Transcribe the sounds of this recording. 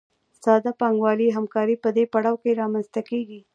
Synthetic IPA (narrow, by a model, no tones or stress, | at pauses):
sɑd̪apɑŋɡwɑliɦamkɑɾipəd̪epaɽɑwkeɾɑmanst̪akeɡi